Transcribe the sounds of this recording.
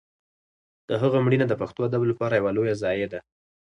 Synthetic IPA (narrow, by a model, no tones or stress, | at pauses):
d̪̥əɦaɣamɽinad̪əpaxt̪oad̪ablapɑɾajawalojazɑjed̪a